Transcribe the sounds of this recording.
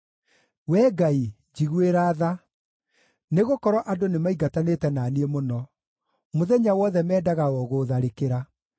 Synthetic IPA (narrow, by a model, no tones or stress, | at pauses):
wɛːɡai | d͡ʑiɣweɾaːða | neɣokɔɾɔʔadonemaiɡatanetɛnaːniemonɔ | moðɛɲawɔðɛmɛːdaɣaɔɣoðaɾekeɾa